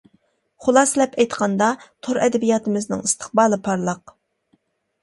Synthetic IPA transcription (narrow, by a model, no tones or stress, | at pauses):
χʊlˠɑslɛpʰɛjt̪qʰɑnd̪ɑt̪ʰoɾʔɛd̪ɛbijɑːt̪ʰɨmɪznɪ̰ŋist̪ʰə̥χbɑːlˠɨpʰɑɾlˠəq